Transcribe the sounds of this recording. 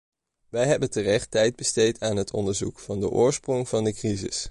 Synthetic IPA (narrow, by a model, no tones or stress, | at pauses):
ʋɛjɦɛbəntərɛχtɛjd̚bəstejtaːnɦətʰɔ̰ndəɹzṵkfɑndəʔʊːɹsprɔŋv̥ɑndəkrizɪ̰s